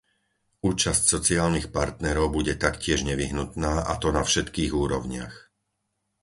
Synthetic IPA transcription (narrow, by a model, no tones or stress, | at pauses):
uːt͡ʃascsɔt͡siaːlnixpaɾt̪nɛɾɔʊbuɟɛt̪akcɪɛʒɲɛʋiɦnut̪naːʔa̰t̪ɔnafʃɛt̪kiːɣuːɾɔʊɲɪa̰x